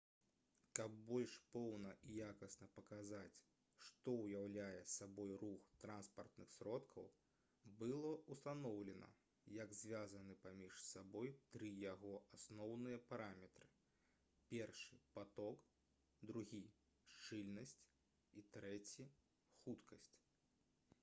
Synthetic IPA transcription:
kɐbːɔlʲʂpɔwnɐʔijakɐsnɐpɐkazat͡sʲ | ʂt̪ɔwjawlʲajɛsabɔjruxt̪ɾanspɐrt̪nɨxsʲɾɔt̪kʰɐw | bɨlˠɔust̪anɔwlʲɛnɐ̰ | jɐɡzʲvʲazɐnɨpamʲiʂsabɔjt̪ɾɨjaɣɔʔasnɔwnɨjɐpaɾamʲɛt̪ɾɨ | pʲɛrʂɨpat̪ɔk | d̪ɾuɣʲi | ʂt͡ʂɨlʲnɐsʲt͡sʲ | it̪ɾɛt͡sʲi | xut̪kʰɐsʲt͡sʲ

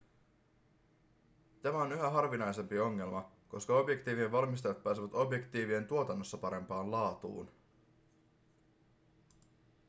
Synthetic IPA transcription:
t̪æmæo̞nyɦæɦɑrʋinɑjse̞mpio̞ŋːe̞lmɑ | ko̞skɑo̞bje̞kt̪iːʋieʋʋɑlmist̪ɑjɑt̪̚pæːsiʋæt̪o̞bje̞kt̪iːʋie̞nt̪uo̞t̪ɑnːo̞sːɑpɑɾe̞mpɑːnlɑːt̪ṵːn

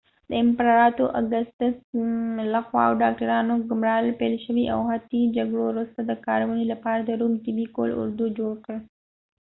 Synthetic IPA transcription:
d̪̥əɪmpɾɑɾɑt̪oʔaɡast̪əslaxwɑ̰a̰wɖɑk̚ʈaɾɑnoɡʊmɾɑlpelʃəwiʔa̰wɦat̪id͡ʒaɡɽoɾust̪ad̪əkɑɾawənilapɑɾad̪əɾumt̪ɪbiko̰lʊ̰ɾd̪ud͡ʒoɽkəɽ

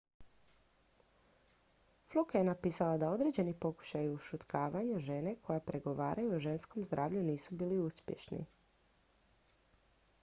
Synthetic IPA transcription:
flˠukajenapiːsalad̪ao̞d̪ɾe̞d͡ʑe̞nipo̞ku̥ʃajuʃut̪kaːʋaɲaʒe̞ne̞kʰo̞japɾe̞ɡo̞ʋa̰ːɾʔajuoʒe̞nsko̞mzd̪ɾʔaːʋʎuniːsubiːliuspjḛʃnḭ

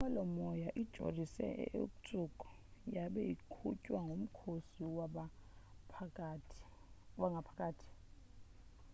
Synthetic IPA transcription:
ŋalɔmɔjaʔid̥ʒ̥ʱo̰risɛ̰ʔṵk̬ʼut͡sʼukʼɔ̥ | jaɓɛjḭkʰṵcʼwaŋɡʱom̩kʰosiwa | waŋɡʱapʰakʼaːtʰi̥

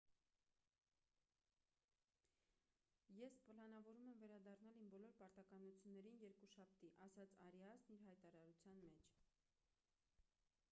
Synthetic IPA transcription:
jɛspəlɑn̪ɑvɔɾumɛmvɛɾɑd̪ɑrnɑlimbɔlɔɾpɑɾt̪ɑkɑnut͡sʰjunːɛɾinjɛɾkuʃɑp̚ʰt̪iʔɑsɑt͡sʰɑɾɑsniɾɦɑjt̪ɑɾɑɾut͡sʰjɑnmɛt͡ʃʰ

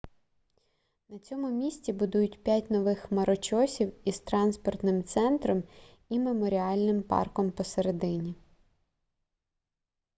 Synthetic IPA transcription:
nɐt͡sʲɔmʊmʲisʲtʲibʊd̪ujʊtʲpʲjatʲnɔʋɪxmɐɾɔt͡ʃɔsʲiwiz̥t̪ɾɑnspɔrt̪nɪmt̪sɛnt̪ɾɔm | imemɔɾʲiɑlʲnɪmpɑ̰rkɔmpɔseɾed̪ɪnʲi

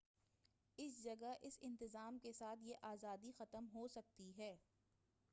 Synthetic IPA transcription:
ɪsd͡ʒɐɡaʔɪsɪ̃nt̪ɪzaːmkesaːt̪ʰjeʔaːzaːd̪ixɐt̪əmɦoːsɐk̚t̪iɦɛː

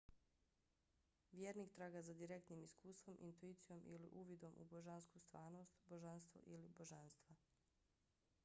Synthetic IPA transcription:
ʋjeɾniːkt̪ɾaːɡazad̪iɾe̞kt̪niːmiskuːst̪ʋo̞mʔḭnt̪uit̪sijo̞mʔilḭʔuːʋid̪o̞mʔṵboʒanskust̪ʋaːɾno̞ːst̪boʒanst̪ʋo̰ʔilibo̞ʒanst̪ʋa

